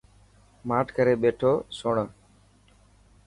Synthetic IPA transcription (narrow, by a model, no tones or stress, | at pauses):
maːʈʰkəɾeːɓeːʈʰoːsoɳ